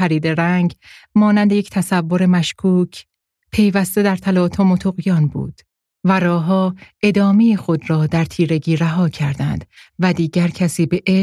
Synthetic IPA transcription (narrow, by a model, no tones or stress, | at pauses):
æɾiːd̪e̞ɾæŋɡmɒːnænd̪eject̪ʰæsævːoɾe̞mæʃkʰuːcʰ | pʰe̞jvæst̪e̞d̪æɾt̪ʰælɒːt̪ʰomot̪ʰoɣjɒːnbṵːd̪̥ | væɾɒːɦɒːe̞d̪ɒːme̞jixo̞d̪ɾɒːd̪æɾt̪ʰiːɾe̞ɡiːɾæɦɒːcʰæɾd̪ænd̪̥væd̪iːɟæɾcʰæsiːbe̞ʔe